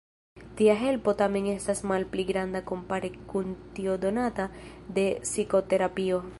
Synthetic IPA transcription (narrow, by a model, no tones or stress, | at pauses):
tiaɦe̞lpo̞tame̞ne̞stasmalpliɡɾandako̞mpaɾekuntio̞do̞natade̞siko̞te̞ɾapio̞